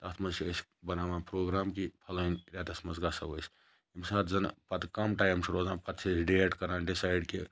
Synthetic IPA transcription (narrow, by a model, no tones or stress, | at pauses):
t̪ɐt̪ʰmɐt͡ʃiəsbɐnaːʋapɾoːɡɾaːmkipʰɐlɐnɾʲat̪ɐsmɐzɡasɐʋos | imsaːt̪zɐnpɐt̪kɐmʈaːjmt͡ʃʰɾoːzaːnpɐt̪t͡ʃʰisɖeːʈkɐɾaːnɖisaːjɖke